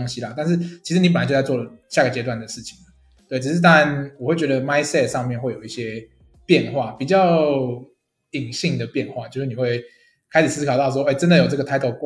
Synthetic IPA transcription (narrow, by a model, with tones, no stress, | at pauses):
ŋɕi˥la˨t̪a˥˧nʂ̬ɻ̩˥˩t͡ɕʰi˧˥ʂɻ̩˧˥ni˥pə˨a˧˥t͡ɕo˥˧˩t͡sa˥˧wɔ˥˨˩lə˨˩ɕja˥˩ɡə˩t͡ɕjɛ˧˥t̪wa˥˩nd̪ə˩ʂɻ̩˥˩t͡ɕʰi̥˨˩ŋlə˩ | t̪we˥˩ɪʈ͡ʂɻ̩˨˩ʂɻ̩˥˧t̪̬a˥˩ɻa˧˨nwɔ˨˩xwe˥˩ɪt͡ɕɥɛ˧˥d̪ə˧ma˥ɪsɛ˥˧t̪ʂɑ˥˧ŋmjnxwe˥˩ɪjo˨˩ʊi˥˩ɕjɛ˦˥ | pjɛ˥˧nxwa˥˩pi˨˩t͡ɕjɑ˥˨˩ʊ | i˨˩ŋɕi˥˩ŋd̪ə˩pjɛ˥˧nxwa˥˩t͡ɕjo˥˧ʊʂɻ̩˥˩ni˨˩we˥˩ɪ | kʰa˥ɪʂ̩˨˩sɹ̩˥kʰɑ˨˩t̪ɑ˥˩ʊʂ̬wɔ˥e˥˩ɪʈ͡ʂə˦˥nd̪ə˨jo˨ʊʈ͡ʂə˥˩ɡə˩t̪ʰa˥ɪt̪ʰo˧˥ʊk